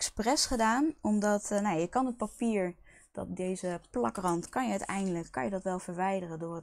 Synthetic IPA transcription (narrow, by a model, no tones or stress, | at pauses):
ɛksprɛsχədaːnɔmdɑtnajajəkɑnɦət̚papiːɹ | d̥ɑ̰t̚dejzəplɑkrɑntkɑnjəœɥtɛ̰jndələkːɑ̰njədɑtʋɛlˠv̥əɹʋɛjdərəndʊːrət